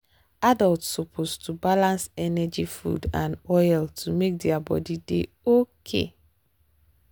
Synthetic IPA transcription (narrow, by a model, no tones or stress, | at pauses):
adaltsɔpʰostubalãnsɛnɛd͡ʒifṵdãnɔjltʰumek̚diabɔ̰dide | okʰḛ